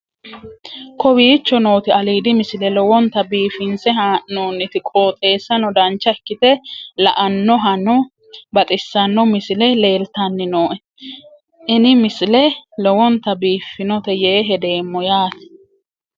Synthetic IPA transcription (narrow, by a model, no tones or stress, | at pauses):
kɔbiːt͡ʃːɔno̞ːt̪ɪɐliːd̪ɪmɪsɪlɛlɔwɔnt̪ɐbiːfɪnsɛhaːʔnoːnːɪt̪ɪkʼoːt̪ʼe̞ːsːɐnɔd̪ɐnt͡ʃːɐɛkːɪt̪ɛlɐʔɐnːɔɦɐnɔ | bɐt̪ʼɪsːɐnːɔmɪslɛle̞ːlt̪ɐnːɪno̞ːʔɛ | ʔɪnɪmɪsɪlɛlɔwɔnt̪ɐbiːfːɪnɔt̪ɛjeːɦɛd̪e̞ːmːɔjaːt̪ɪ̥